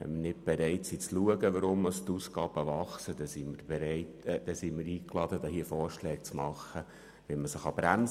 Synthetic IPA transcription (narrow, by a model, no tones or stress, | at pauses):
ɛ̰nmənɪt̚b̥eɾɛɪtsit͡sluəɡəʋəɾʊmːɑst̪uːskɑːb̥əʋɑχsəd̥̪ɛsiməɾb̥eɾɛɪtːd̥ɛsiməɾiːklɑd̥ədɑɦiəfɔːɾʃlɛːk̚t͡smɑχːə | ʋɛnməsəχɑb̥ɾæn